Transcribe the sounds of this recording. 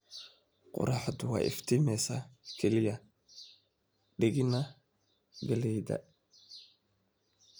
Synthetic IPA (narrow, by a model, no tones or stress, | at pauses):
qʊ̰ɾʔɑħd̪ʊwɑ̰ːʔɪ̰ft̪ʰimɛsakʰɛlɪjɐ | ɖɪɣɪnɐ | ɡɐlɛjd̪ɐ̰